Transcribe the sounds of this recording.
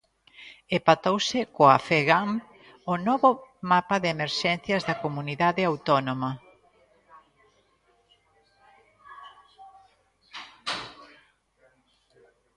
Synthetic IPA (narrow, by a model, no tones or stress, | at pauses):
epat̪owsɪkoafeɣam | onɔβomapaðeemeɾʃɛnθjɐzðɐkomuniðaðɪawt̪ɔnomɐ